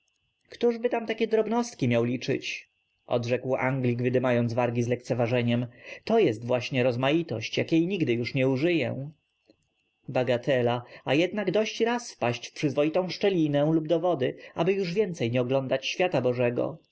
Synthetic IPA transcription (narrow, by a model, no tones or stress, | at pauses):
kt̪uʐbɘt̪amt̪akʲɛd̪ɾɔbnɔst̪kʲimjawlʲit͡ʂɘ̰t͡ɕ | ʔɔ̰d̪ʐɛkwʔa̰ŋɡlʲikvɘd̪ɘmajɔnvaɾɡʲizlɛkt̪sɛvaʐɛɲɛmt̪ɔjɛst̪vwaɕɲɛɾɔzmajit̪ɔɕt͡ɕjakʲjejɲiɡd̪ɘjuʂɲɛuʐɘjɛ̰ | baɡat̪ʰɛlaajɛd̪naɡd̪ɔɕt͡ɕɾasfpaɕt͡ɕfpʂɘzvɔjit̪ɔ̃w̃ʂt͡ʂɛlʲinɛ̃lubd̪ɔvɔd̪ɘabɘjuʐvʲjɛnt̪sɛjɲɛɔɡlɔnd̪at͡ɕɕfʲjat̪abɔʐɛɡɔ̰